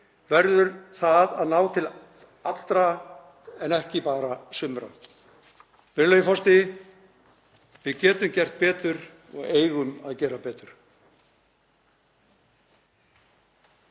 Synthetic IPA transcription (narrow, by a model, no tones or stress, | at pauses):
vɛɾðʏɾθaðaðnaːwt̪ʰɪl | at̪l̥t̪ɾa | ɛnɛhcɪpaːɾasʏmɾa̰ | vɪɾlœːjʏfɔst̪ɪ | vɪðcɛːt̪ʏmcɛr̥t̪̚pɛːt̪ʏɾ | ɔ̰ɣeːjɣʏmaðcɛːɾapɛːt̪ʏɾ̥